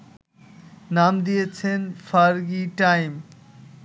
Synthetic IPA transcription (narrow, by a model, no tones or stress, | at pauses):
namd̪ijet͡ɕʰenfaɾɡiʈajm